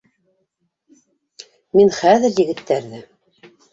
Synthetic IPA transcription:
minχæðɘɾjɘ̆ɡɘ̆t̪ːæɾðɘ

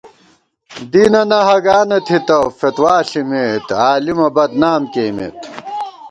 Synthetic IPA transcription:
d̪inɐnɐɦɐɡaːnɐt̪ʰit̪ɐfet̪waːɬimeːt̪aːlimɐbɐd̪naːmkeːmḛːt̪

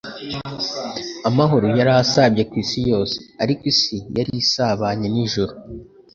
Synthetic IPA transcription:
amaɦo̞ɾojaɾasabjekwiːsijo̞ːse̞̥aɾikwisijaɾisaβaɲaniʒoɾo

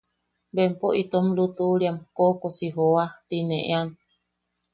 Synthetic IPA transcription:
bempoʔit̪omlut̪uɾiamkokosiɦowaht̪ineʔḛan

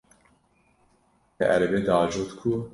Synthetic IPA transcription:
ɛ̰ʔæɾɛbeːd̪ɑːd͡ʒot̪kʰu

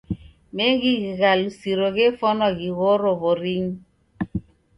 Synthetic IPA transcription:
meɣiɣiɣalusiɾoɣefɔnɔɣiɣoɾoβoɾiɲ

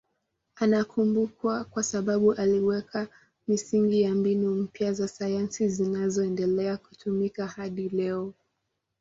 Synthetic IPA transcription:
anakumbukwakwasaɓaɓuʔaliwɛkʰa | misiŋɡijambinum̩pjazasajansizinazɔɛndɛlɛaku̥tumikahaɗilɛɔ

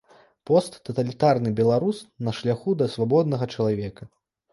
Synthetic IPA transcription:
pɔst̪ːɐt̪ɐlʲit̪arnɨbʲɛlˠaɾusnɐʂlʲaxud̪ɐsvabɔd̪̚nɐɣɐt͡ʂɐlˠavʲɛkɐ

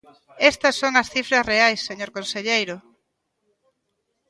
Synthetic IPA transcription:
est̪ɐsːoŋɐsθifɾɐsreajsːeɲoɾkõnseʎejɾʊ

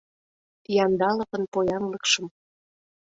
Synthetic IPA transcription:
jɑnd̪ɑlɤ̆pɤ̆npojɑnlɤ̆kʃɤ̆m

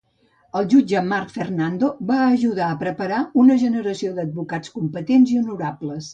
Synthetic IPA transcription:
əlˠʒud͡ʒəmarkfərnand̪oβaəʒuð̞aəpɾəpəɾaunəʒənəɾəsiod̪əd̪̚βukat͡skumpət̪enziunuɾabləs

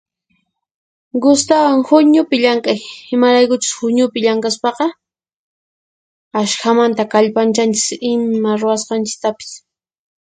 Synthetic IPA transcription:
ɡʊst̪awaŋhʊɲʊpɪʎaŋkajɪmaɾajkʊt͡ʃʊ̥shʊɲʊpɪʎaŋkaspɑqɑ | aʃxamant̪akaʎpant͡ʃant͡ʃɪ̥sɪmmaɾʊwasqɑnt͡ʃɪ̥k̚t̪apɪ̥s

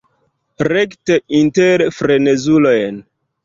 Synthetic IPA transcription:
ɾekteʔinteɾfɾe̞ne̞zulo̞jn

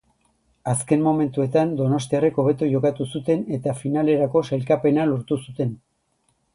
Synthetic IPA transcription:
aske̞mmo̞me̞nt̪ue̞t̪and̪o̞no̞s̬t̪iare̞ko̞β̞e̞t̪ujo̞kat̪usut̪e̞ne̞t̪afinale̞ɾako̞se̞lkape̞naloɾt̪usut̪e̞n

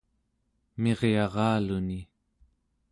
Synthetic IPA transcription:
me̞ʁjɑʁɑːluni

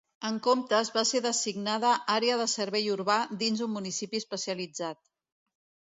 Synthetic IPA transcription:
əŋkomt̪əzβaseðəsiɡnaðəʔaɾeəðəsəɾβɛjuɾβad̪inzummːunisipiəspəsiəlid͡zat̪̚

